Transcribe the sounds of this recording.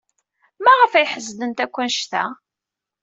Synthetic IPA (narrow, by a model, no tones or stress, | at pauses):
mæʁəfæjħəzːd̪ənt̪ækʷːænʃt̪æ̰